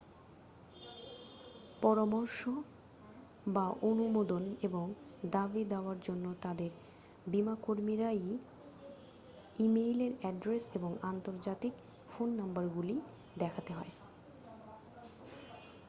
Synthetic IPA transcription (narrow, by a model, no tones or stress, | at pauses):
pɔɾamɔɾʃo | baʔonumod̪oneboŋd̪abid̪eoaɾd͡ʑonːot̪ad̪eɾ | bimakoɾmiɾaj | imejleɾɛɖɾeseboŋant̪oɾd͡ʑat̪ik | fonːambaɾɡuli | d̪ɛkʰat̪eɦɔe